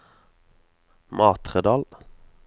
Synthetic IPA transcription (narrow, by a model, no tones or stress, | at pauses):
mʔɑːt̪ʁəd̪ɑːl